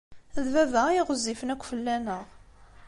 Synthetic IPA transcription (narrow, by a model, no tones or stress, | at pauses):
æðvævæiʁəzːifənækʷːfəlːænəʁ